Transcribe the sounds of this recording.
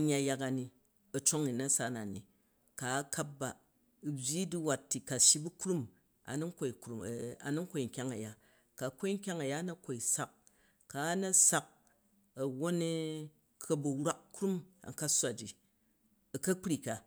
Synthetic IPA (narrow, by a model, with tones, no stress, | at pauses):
ɲːa˨˦ja˧ka˨ni˨ | ɐ˨t͡ʃo˦ŋi˨nɐ˦sa˦na˨nḭ˨ | ka˨˦ka˦p̚ba˨ | bʲji˦di˦wa˨tːi˨ka˨ʃi˦bu˦kɾu˦m | a̰˨nu˦ŋ˦ko˨i˨kɾu˨m˨a̰˨nu˦ŋ˦kʷo˨i˨ŋ̩˨kʲa˦ŋɐ˨ja˦ | ka˨ko˦i˦ŋ̩˦kʲa˦ŋɐ˨ja˦nɐ˦ko˨i˨sa˦k̚ː | a˨˦nɐ˦sa˦k̚ | ɐ˨wo˦ne˦ | kʰɐ˦bɐ˨ɾʷa˦k̚kɾu˦ma̰˨ŋka˦sʷa˨d͡ʒi˨ | ɐ˨kɐ˦k͡pɾi˨ka˨